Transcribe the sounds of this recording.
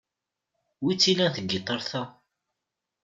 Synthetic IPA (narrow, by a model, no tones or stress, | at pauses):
wit͡sːilænθəɡːit̪ˤːəɾˤθæ